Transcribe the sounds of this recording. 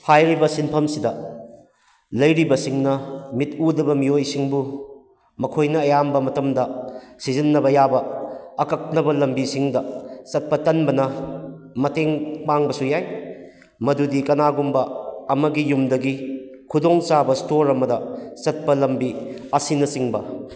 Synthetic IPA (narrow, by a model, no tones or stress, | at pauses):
pʰajɾibɐsinpʰɐmsidɐ | lɐjɾibɐsiŋnɐmit̚udɐbɐmiojsiŋbu | mɐkʰojnɐːjambɐmɐtɐmdɐsizinːɐbɐjabɐːkɐk̚nɐbɐlɐmbisiŋdɐt͡ʃɐt̚pɐtɐnbɐnɐ | mɐteŋpaŋbɐsujaj | mɐdudikɐnaɡumbɐɐmɐɡijumdɐɡi | kʰudoŋt͡ʃabɐstoɾɐmɐdɐt͡ʃɐt̚pɐlɐmbiɐsinɐsiŋbɐ